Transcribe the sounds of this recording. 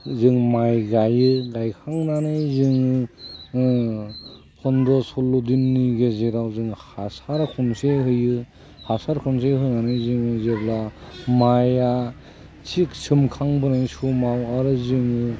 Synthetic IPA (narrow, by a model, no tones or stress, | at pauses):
zɯŋmajɡajɯɡajkʰaŋnanajzɯŋɯ | pʰɔndɔsɔlːodinːiɡezeɾawzɯŋhasaɾkʰɔnseɦɯjɯ | hasaɾkʰɔns̬eɦɯjnanajzɯŋɯzeblamaja | t͡ʃʰik̚sʰɯmkʰaŋbɯnajsumawaɾɯzɯŋɯ